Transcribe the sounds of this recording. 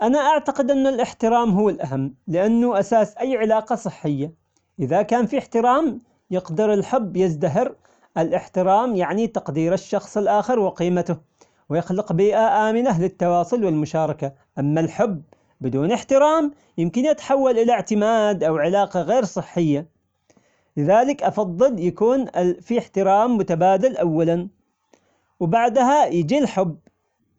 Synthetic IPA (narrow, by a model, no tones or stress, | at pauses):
ʔanaʔaʕt̪aqɪd̪ʔɪnːalʔɪħt̪ɪɾɑːmɦʊːɪlʔaɦamːlɪʔanːʊʔasaːsʔajːʕɪlaːqɑsˤɨħːɪjːa | ʔɪðakaːnfiħt̪ɪɾɑːm | jɪqd̪ɑɾɪlħʊbːjɪzd̪aɦɪɾ | ʔɪlʔɪħt̪ɪɾɑːmjaʕnit̪ɑqd̪iːɾɪʃːɑxsˤɪlʔaːxɪɾwɪqiːmat̪ʊh | wjɪxlɪqbiːʔaʔaːmɪlalɪt̪ːɑwɑːsˤʊlwɪlmʊʃɑːɾˤɑka | ʔamːalħʊbː | bɪd̪uːnɪħt̪ɪɾɑːm | jɪmkɪnjɪt̪ḁħawːalʔɪlaʕt̪ɪmaːd̪ʔawʕɪlaːqɑɣeːɾsˤɨħːɪjːa | lɪðaːlɪkʔɑfɑðˤːɨljakuːnfiɪħt̪ɪɾɑːmːʊt̪abaːd̪alʔawːalan | wbaʕd̪ɦajɪd͡ʒilħʊbː